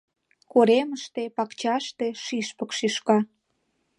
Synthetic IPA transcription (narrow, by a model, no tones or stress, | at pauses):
koɾeməʃt̪epɑkt͡ɕɑʃt̪eʃiʃpə̆kʃiʃkɑ